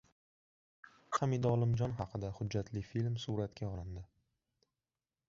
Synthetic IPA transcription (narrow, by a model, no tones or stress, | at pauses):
χamid̪ɒlˠɪmd͡ʒɒnχɑqʰɨd̪ahʊd͡ʒːat̪ʰlɪfilmsuɾat̪kʲʰaɒlˠɪnd̪ɪ